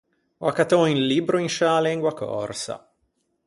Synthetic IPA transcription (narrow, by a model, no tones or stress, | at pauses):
wakat̪ɔinlibɾoinʃaleŋɡwakɔ̰rsa̰